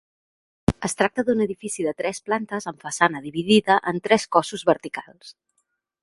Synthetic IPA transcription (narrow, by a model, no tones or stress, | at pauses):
əst̪ɾak̚t̪əðunəðifisiðət̪ɾɛsplant̪əzəɱfəsanəðiβ̞iðiðəʔənt̪ɾɛskɔsuzβəɾt̪ikalˠs